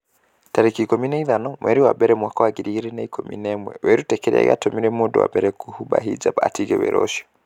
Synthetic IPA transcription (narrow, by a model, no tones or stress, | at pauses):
taɾɛkikɔminaiðanɔmwʔɛɾiwabɛɾɛmwakawaɡiɾiɾɛnaikʰɔmḭnɛmwɛ̰wɛɾutɛkɛɾa̰ja̰tɔmiɾɛmudɔ̰wa̰bɛɾɛkuhubaɦid͡ʒabatiɡɛwɛ̰ɾʔɔʃɔ̥